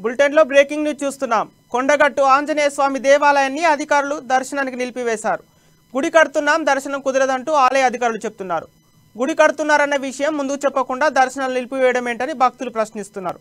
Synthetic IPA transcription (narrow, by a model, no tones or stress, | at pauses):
bulʈeɳlo̞ːbɾeːkiŋɡnit͡ʃuːst̪unːaːm | koɳɖɐɡɐʈːuaːɲd͡ʒɐnɛːjɐsʋaːmid̪ɛːʋaːlɐjɐnːiɐd̪ʱikaːɾulud̪ɐɾʃɐnaːnikinilpiʋɛːʃaːɾu | ɡuɽikɐɽut̪unːaːmd̪ɐɾʃɐnɐmkud̪ɐɾɐd̪ɐɳʈuːaːlɐjɐd̪ʱikaːɾulut͡ʃe̞b̚ut̪unːaːɾu | ɡuɽikɐɽut̪unːaːɾɐnːɐʋiʂɐjɐmːund̪ukt͡ʃɛpːɐkuɳɖaːd̪ɐɾʃɐnaːlunilpiʋɛːjɐɽɐme̞ːɳʈɐnibʱɐk̚t̪ulupɾɐʃnist̪unːa̰ːɾu